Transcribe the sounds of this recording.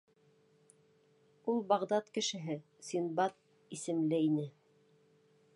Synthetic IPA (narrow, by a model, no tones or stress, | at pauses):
ulˠbɑʁd̪ɑt̪kɘ̆ʃɘ̆ɦɘ | sinbɑt̪̚ | isɘ̆mlɘinɘ